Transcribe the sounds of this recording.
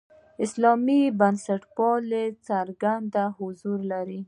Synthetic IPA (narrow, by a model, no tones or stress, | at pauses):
ɪslɑmibansaʈpɑlet͡saɾɡand̪ahʊzuɾlaɾi